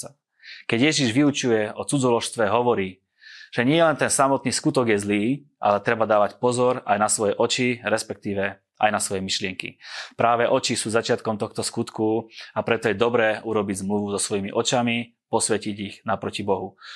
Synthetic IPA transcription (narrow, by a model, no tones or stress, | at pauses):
kɛɟjɛʒiʒʋiut͡ʃujɛɔt͡sud͡zɔlɔʃst̪ʋɛɦɔʋɔɾiː | ʒ̥ɛɲɪɛlɛnt̪ɛnsamɔt̪̚niːskut̪ɔɡjɛzliːʔa̰lɛt̪ɾɛbad̪aːʋacpɔzɔɾajnasʋɔjɛʔɔt͡ʃiɾɛspɛk̚t̪iːʋɛ | ʔa̰jnasʋɔjɛmiʃlɪɛŋkḭpɾaːʋɛʔɔt͡ʃisuːzat͡ʃɪat̪kɔmt̪ɔxt̪ɔskut̪kuapɾɛt̪ɔjɛd̪ɔbɾɛːʔuɾɔbiɟzmluʋuzɔsʋɔjimḭʔɔt͡ʃami | pɔsʋɛciɟiɣnapɾɔcibɔɦu